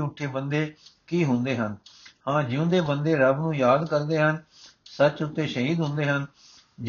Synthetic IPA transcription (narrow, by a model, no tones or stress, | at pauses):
ʊʈʰːeːbənd̪eːkiːɦʊ̃nd̪eːɦənhãːd͡ʒɪõːd̪eːbənd̪eːɾəbnũːjaːd̪kəɾd̪eːɦən | sət͡ʃʊt̪ːeːʃəɦiːd̪ɦʊ̃nd̪eːɦən | d͡ʒ